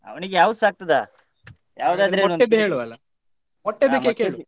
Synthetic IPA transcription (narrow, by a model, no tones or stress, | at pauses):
ɐ̰ʋɐniɡejaːʋud̪usaːk̚t̪ɐd̪a̰ | ja̰ːʋud̪aːd̪ɐɾenoed̪ɦeːɭuɐlːɐ | mɔʈːed̪ekːekeːɭu